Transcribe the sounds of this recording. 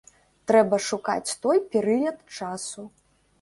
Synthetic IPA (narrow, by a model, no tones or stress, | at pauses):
t̪ɾɛbɐʂuka̰t͡sʲt̪ɔjpʲɛɾɨlʲɐt̪t͡ʂasu